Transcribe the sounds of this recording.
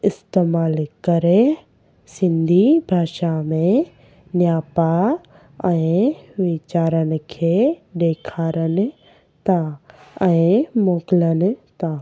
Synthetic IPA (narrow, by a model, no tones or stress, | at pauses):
ɪst̪eːmaːlkɐɾe | sɪ̃nd̪ʱibʱaːʃamẽ | njaːpa | ɛ̃ːʋit͡ɕaːɾənɪ̆kʰeːɗeːkʰaːɾənɪ̆ | t̪ãɛ̃ːmoːkɪlənɪ̆t̪ã